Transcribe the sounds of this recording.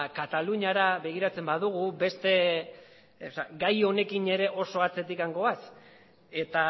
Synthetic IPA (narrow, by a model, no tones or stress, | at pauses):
kat̪aluɲaɾaβe̞ɣ̞iɾat͡se̞mbaðuɣ̞ube̞st̪e̞ | saɡajo̞ne̞kine̞ɾe̞ʔo̞so̞at͡se̞t̪ikaŋɡo̞βas | e̞t̪a